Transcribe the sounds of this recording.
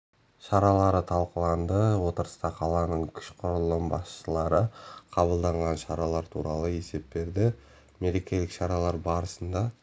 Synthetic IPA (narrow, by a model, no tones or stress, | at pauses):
ʃɑɾɑlˠɑɾət̪ʰɑlˠqəlˠɑnd̪əwo̞t̪əɾə̥st̪ɑqʰɑlˠɑnəɴkʲʰʏ̥ʃqʰʊɾəlˠːəmbɑsʃəlˠɑɾəqʰɑbəlˠd̪ɑɴʁɑnʃɑɾɑlˠɑɾt̪ʰṵɾɑlˠəe̞se̞p̚be̞ɾd̪ɪ | me̞le̞kʲe̞lɪkʃɑɾɑlˠɑɾbɑɾəsənd̪ɑ